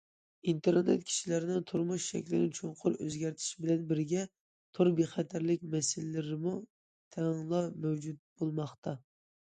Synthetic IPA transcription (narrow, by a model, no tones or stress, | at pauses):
int̪ʰeɾnḛt̪kʲʰi̥ʃilɪɾɪnɪŋt̪ʰʊɾmuʃʃɛ̰kʲlɪɾɪŋt͡ʃʰoɴqʰʊɾøzɡʲæɾt̪ʰɪ̥ʃbɪlɛnbɪɾɡʲɛ | t̪ʰʊɾbeχɛt̪ʰæɾlɪk̚ʲmɛsɪllɪɾɪmu | t̪ʰɛŋlˠɑmɛwd͡ʒut̪̚b̥olˠmɑχt̪ɑ